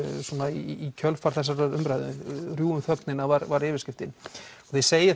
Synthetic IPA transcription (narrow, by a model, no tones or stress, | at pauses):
suːnaiicʰœlfaɾ̥θɛs̬ːaɾʏmpɾajðʏrjuːʏmθœknɪnavaɾvaɾɪːvɪɾscɪft̪ɪnɔɣθejseːjɪ